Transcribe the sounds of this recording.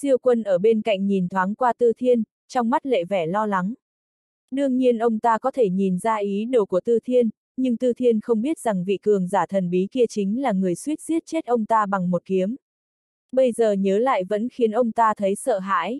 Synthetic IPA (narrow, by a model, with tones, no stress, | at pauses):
i˧əwkwə˧nʔəː˧˩ɓe˧nka̰˧˨jŋ̟ɲi˨˩nt̪ʰwaː˨˦ŋkwaː˧t̪ɨ˧t̪ʰi˧ən | t͡ɕɔ˧wŋ͡mma˦˥t̚lḛ˧˨vɛ˧˩lɔ˧la˨˦ŋ | ɗɨ˧əŋɲi˧ənʔə˧wŋ͡mt̪aː˧kɔ˨˦t̪ʰe˧˩ɲi˨˩nzaː˧ʔi˨˦ɗo˨˩wku˧˩ət̪ɨ˧t̪ʰi˧ən | ɲɨ˧ŋt̪ɨ˧t̪ʰi˧ənxə˧wŋ͡mɓi˦˥ət̚za˨˩ŋvḭ˧˨kɨ˨˩əŋzaː˧˩t̪ʰə˨˩nɓi˨˦ki˧ət͡ɕï˨˦ŋ̟laː˨˩ŋɨ˨˩əjswi˦˥t̚si˦˥t̚t͡ɕe˦˥t̚ʔə˧wŋ͡mt̪aː˧ɓa˨˩ŋmo˨˩t̚ki˨˦əm | ɓə˧jzəː˨˩ɲəː˨˦la̰ː˧˨jvə̰˧˥nxi˨˦ənʔə˧wŋ͡mt̪aː˧t̪ʰə˨˦jsə̰ː˧˨ɦa̰ː˧˥j